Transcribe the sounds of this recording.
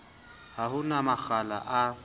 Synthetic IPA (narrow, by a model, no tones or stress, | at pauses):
haɦʊnamaxala̰ʔa